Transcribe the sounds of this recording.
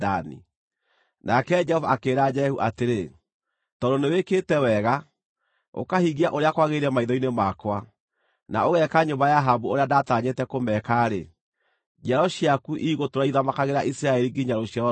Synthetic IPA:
anḭ | nakɛd͡ʒɛhɔvaːkeːɾad͡ʒɛhuʔateɾe | tɔdoneweketɛwɛɣa | o̰kahiɣiaʔoɾeakwaɣeɾɛmaiðɔinemakwa | na̰oɣɛkaɲombajaɦabuoɾeadataɲetɛkomɛkaɾe | d͡ʒɛɾɔɕiakuʔiɣotoɾaiðamakaɣeɾaʔisiɾaɛɾiɡiɲaɾoɕjaɾ

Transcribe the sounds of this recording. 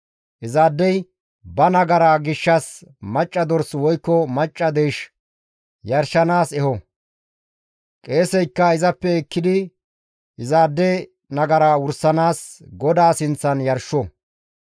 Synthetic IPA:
ʔɪzaːd̪ːɛj | bɐnɐɡɐɾaɡɪʃːɐsmɐt͡ʃʼːɐd̪ɔɾswɔjkːɔmɐt͡ʃʼːɐd̪eːʃ | jɐɾʃːɐnaːsɛhɔ | kʼe̞ːsɛjkːɐɪzɐpːɛɛkːɪd̪ɪ | ɪzaːd̪ːɛ | nɐɡɐɾawʊɾsːɐnaːs | ɡɔd̪aːsɪnt͡sːɐnjɐɾʃːɔ

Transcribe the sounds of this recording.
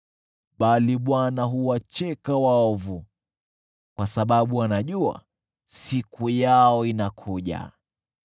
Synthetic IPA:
ɓaliɓwanaɦuwat͡ʃɛkawaɔvu | kwasaɓaɓuwanaʄua̰ | sikujaɔinakʰuʄa̰

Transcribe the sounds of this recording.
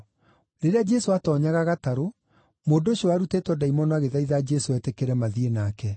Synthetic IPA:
ɾeɾead͡ʒɛsoatɔɲaɣaɣataɾo | moːndoɕiɔaɾutetwɔdaimɔnɔaɣeðaiðad͡ʒɛsoɛtekeɾɛmaðienakɛ

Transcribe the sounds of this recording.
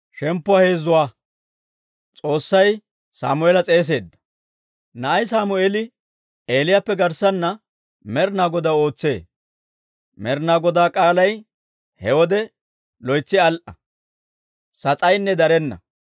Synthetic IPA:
ʃɛmpːʊaːhe̞ːzːʊwaː | t͡sʼo̞ːsːɐj | sa̰ːmʊelɐt͡sʼe̞ːs̬e̞ːd̪ːɐ̥ | nɐʔɐjs̬aːmʊeːlɪ | eːlɪjapːɛɡɐɾsɐnːɐ | mɛɾnaːɡɔd̪ao̞ːt͡sːe̞ː | mɛɾnaːɡɔd̪aːkʼaːlɐj | hɛwɔd̪ɛ | lɔjt͡sːɪɐlʔɐ | sɐt͡sʼɐjnːɛd̪ɐɾɛnːɐ̰

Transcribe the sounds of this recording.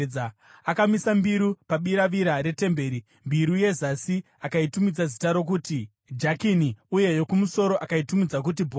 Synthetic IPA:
akamisambiɾupaɓiɾaʋiɾaɾe̞te̞mbe̞ːɾi | mbiɾuje̞zasi | akaitumid͡zazitaɾo̞k̬uːti | d͡ʒakiniuje̞jo̞kumuso̞ɾo̞ʔakaitumid͡zak̬ut̬ibʱo

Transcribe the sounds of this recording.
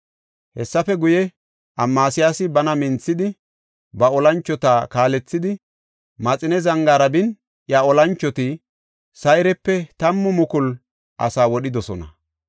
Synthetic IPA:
hɛsːɐfɛɡʊjɛ | ʔɐmːaːsɪjaːsɪbɐnɐmɪnt͡sːɪd̪ɪ | bɐɔlɐnt͡ʃːɔt̪aːkaːlɛt͡sːɪd̪ɪ | mɐt͡sʼɪnɛzɐŋɡaːɾɐbɪn | ʔjaɔlɐnt͡ʃːɔt̪ɪ | sɐjɪɾɛpːɛt̪ɐmːʊmʊkʊl | ʔɐ̰saːwɔɗɪd̪ɔsɔnɐ̰

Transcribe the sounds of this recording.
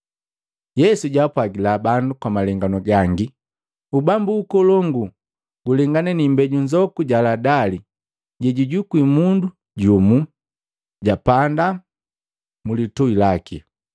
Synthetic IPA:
jɛsuɟapwaɡilabandukwamalɛŋɡanɔɡaŋɡi | ubambuːkɔlɔŋɡu | ɡulɛŋɡanɛnimbɛɟuɲd͡ʒɔkuɟaladali | ɟɛɟuɟukwimundu | ɟumu | ɟapanda | mulitɔilakḭ

